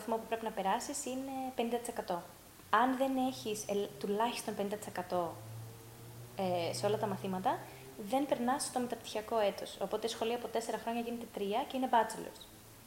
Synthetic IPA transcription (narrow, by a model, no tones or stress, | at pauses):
θmo̞pupɾe̞pinɐpe̞ɾɐsisinepe̞nind̪ɐt̪ise̞kɐt̪o̞ | ɐnðe̞ne̞çist̪ulɐçist̪o̞npe̞nind̪ɐt̪ise̞kɐt̪o̞ | eseo̞lɐt̪ɐmɐθimɐt̪ɐ | ðe̞mpe̞ɾnɐst̪o̞me̞t̪ɐpt̪i̥çiɐko̞e̞t̪o̞̰so̞po̞t̪e̞isxo̞lioɐpo̞t̪e̞se̞ɾɐxɾo̞ɲɐʝine̞t̪e̞t̪ɾiɐce̞inebɐt͡selo̰ɾs